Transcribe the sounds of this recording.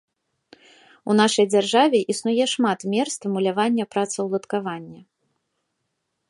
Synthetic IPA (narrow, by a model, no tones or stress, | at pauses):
unaʂɐjd͡zʲarʐavʲɛʔisnujɛʂmat̪mʲɛrst̪vmulʲavanʲːɐpɾat̪sɐwlˠɐt̪kavanʲːɐ